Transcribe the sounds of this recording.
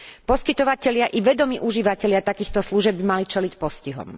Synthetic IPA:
pɔskit̪ɔʋacɛʎɪaʔiʋɛd̪ɔmiːʔuʒiːʋacɛʎɪat̪akiːxt̪ɔsluʒɛbbimalit͡ʃɛlicpɔsciɦɔ̰m

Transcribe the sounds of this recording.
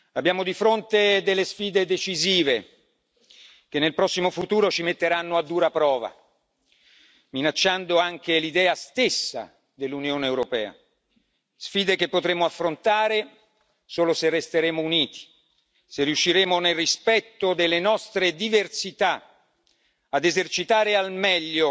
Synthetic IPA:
abːjaːmod̪ifɾont̪ed̪elːesfiːd̪ed̪et͡ʃiziːve | k̟enːelpɾɔsːimofut̪uːɾot͡ʃimet̪ːeɾanːoad̪ːuːɾapɾɔːva̰ | minat͡ʃːand̪oaŋk̟elid̪ɛːast̪esːa̰ | d̪elːunjoːneːwɾopɛːa̰ | sfiːd̪ekepːot̪ɾeːmoafːɾont̪aːɾe | soːloserːest̪eɾeːmouniːt̪i̥ | serːiuʃːiɾeːmonelrispɛt̪ːod̪elːenɔst̪ɾed̪iversit̪a | ad̪ezert͡ʃit̪aːɾealmɛʎːo

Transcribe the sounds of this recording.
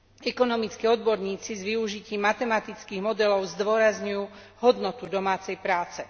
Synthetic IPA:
ɛkɔnɔmit͡skiːɔd̪̚bɔɾɲiːt͡sizʋiuʒiciːmːat̪ɛmat̪it͡skiːɣmɔd̪ɛlɔʊzd̪ʊɔɾazɲujuː | ɦɔd̪nɔt̪ud̪ɔmaːt͡sɛjpɾaːt͡sɛ

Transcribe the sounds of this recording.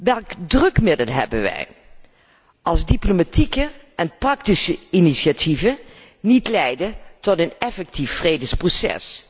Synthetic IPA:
ʋɛlˠkdrɵkmɪdəlˠɦɛ̰bənʋɛ̰j | ʔɑlˠzdiplomatikəʔɛnprɑktisəiniʃjatʰivə | nitlɛjdətɔtənɛfɛk̚tifːrejdəsprosɛ̰s

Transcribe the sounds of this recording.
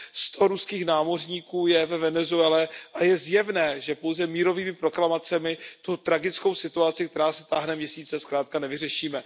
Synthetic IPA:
st̪ʰo̞ɾuskiːxnaːmo̞r̝ɲiːkuːjɛvɛvɛnɛzuɛlɛʔajɛzjɛvnɛːʒɛpo̞wzɛmiːɾo̞viːmɪpɾo̞klamat͡sɛmɪt̪ut̪ɾaɡɪt͡sko̞wsɪt̪uat͡sɪk̚t̪ɛɾaːsɛ̥t̪aːɦnɛmɲɛsiːt͡sɛskɾaːt̪̚kanɛvɪr̝ɛʃiːmɛ

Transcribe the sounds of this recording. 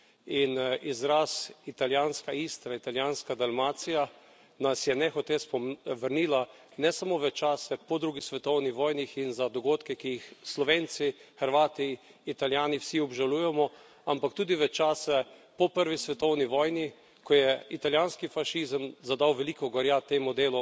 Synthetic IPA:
inizɾasit̪aljaːnskaist̪ɾait̪aljaːnskad̪almaːt̪sija | nasjɛnɛxɔt̪espɔʋəɾniːla | nɛsamoʋɛt͡ʃaːsɛpɔd̪ɾuɡisʋɛt̪ɔwnixʋɔːjnixinzad̪ɔɡoːt̪kɛkijixslɔʋeːnt̪sixəɾʋaːt̪iːt̪aljaːniwsiɔbʒaluːjɛmɔ | ampakt̪uːd̪iʋɛt͡ʃaːsɛpɔpəɾʋisʋɛt̪ɔwniʋɔːjni | kɔjɛit̪aljaːnskifaʃiːzəmzad̪awʋɛlikɔɡɔɾjat̪eːmud̪eːlu

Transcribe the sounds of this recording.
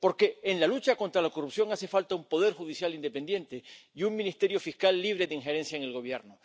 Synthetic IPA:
po̞ɾke̞ːnlalut͡ʃakont̪ɾalako̞rupsjo̞ŋase̞falt̪aumpo̞ð̞e̞ɾxuðisjalind̪e̞pe̞nd̪je̞nt̪e̞iuŋmĩnist̪e̞ɾjo̞fiskalːiβ̞ɾe̞ðeiŋxe̞ɾe̞nsjaeŋe̞lɣo̞β̞je̞ɾno

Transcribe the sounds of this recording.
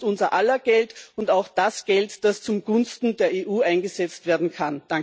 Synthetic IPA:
tʊnzɐʔalɐɡ̥ɛltʊntaʊxd̥asɡ̥ɛltd̥ast͡sʊmɡʊnstn̩deːɐeːʔuːʔãɪnɡəzɛt͡stv̥eːɐdn̩kʰand̥a

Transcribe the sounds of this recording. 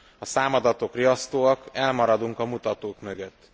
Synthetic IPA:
ɒsaːmɒd̪ɒt̪o̞kriɒst̪oːɒkɛlmɒɾɒd̪uŋkɒmut̪ɒt̪oːkmø̞ɡøt̪ː

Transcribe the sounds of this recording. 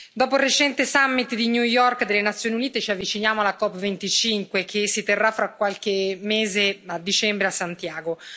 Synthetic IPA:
d̪ɔːporet͡ʃɛnt̪esamːit̪d̪iɲjujɔrkd̪elːenat̪sːjoːniuniːt̪et͡ʃiavːit͡ʃinjaːmoalakɔpːvent̪it͡ʃiŋkwekʰesit̪erːafːɾakːwalk̟emeːzead̪ːit͡ʃɛmbɾeasːant̪jaːɡo

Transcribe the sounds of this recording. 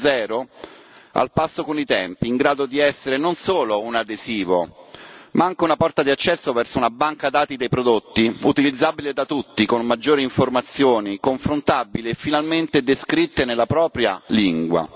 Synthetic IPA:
zɛːɾo | a̰lpasːokonit̪ɛmpiːŋɡɾaːd̪od̪iɛsːeɾenonsoːlounad̪eziːvo̰ | maaŋk̟eunapɔrt̪ad̪iat͡ʃːɛsːovɛrsounabaŋkad̪aːt̪id̪ejpɾod̪ot̪ːiut̪ilid̪zːaːbiled̪at̪ut̪ːikonmad͡ʒːoːɾiiɱformat̪sːjoːnikoɱfɾont̪abileːfːinalment̪ed̪eskɾit̪ːenelːapɾɔːpɾja̰liŋɡwa̰

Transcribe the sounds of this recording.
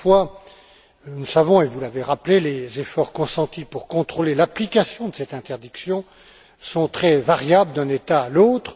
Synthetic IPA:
fwa | nusavɔ̃evulaveʁaplelezefɔʁkɔ̃sɑ̃t̪ipuʁkɔ̃t̪χolelaplikʲasjɔ̃d̪əsɛt̪ɛ̃t̪ɛʁd̪iksjɔ̃ | sɔ̃t̪χɛvaʁjabləd̪ɛ̃net̪aːlot̪χ

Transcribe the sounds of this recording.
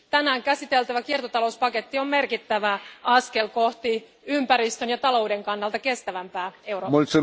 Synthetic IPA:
t̪ænæːŋkæsit̪e̞lt̪æʋækiert̪ot̪ɑlouspɑket̪ːio̞mme̞rkit̪ːæʋæɑskelko̞ht̪i | ympæɾist̪ønjɑt̪ɑlo̞wde̞ŋkɑnːɑlt̪ɑke̞st̪æʋæmpæːe̞uromolʲt̪se

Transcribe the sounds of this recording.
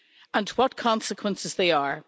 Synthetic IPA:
ə̃nwɒt̚kʰɔ̃nsɪkʰwə̃nsɪzðeɪə˞

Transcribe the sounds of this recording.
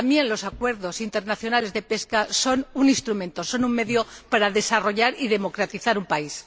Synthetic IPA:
ambje̞nlo̞sakwe̞ɾðo̞sint̪e̞ɾnaθjonale̞zðe̞pe̞skaso̞nuninst̪ɾumẽ̞nt̪o̞so̞nuŋme̞ðjopaɾaðe̞saro̞ʝaɾið̞e̞mo̞kɾat̪iθaɾumpais

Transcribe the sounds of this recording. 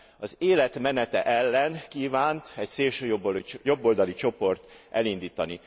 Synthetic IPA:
ɒzeːlɛt̪mɛnɛt̪ɛ̰ʔɛlːɛnkiːvaːnt̪ɛcseːlʃøːjobojo̞bːo̞ld̪ɒlit͡ʃo̞po̞rt̪ʔɛlind̪iːt̪ɒni

